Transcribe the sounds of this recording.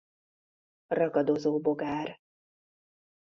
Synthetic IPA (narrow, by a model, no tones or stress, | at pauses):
rɒɡɒd̪ozoːboɡaːr